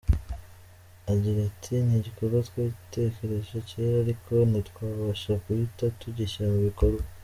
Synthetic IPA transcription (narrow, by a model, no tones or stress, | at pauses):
aɟiɾatʰiniɟiko̞ɾɡatwite̞ke̞ɾe̞ʒoceɾaɾikʰo̞nitwaːβaʃakuɾitatuɟiʃamuβiko̞ɾɡa